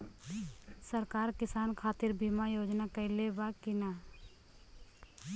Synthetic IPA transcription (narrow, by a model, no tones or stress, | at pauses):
səɾkaːɾkɪsaːnkʰaːt̪ɪɾbʱiːmajoːd͡ʒnakɐlebakɪna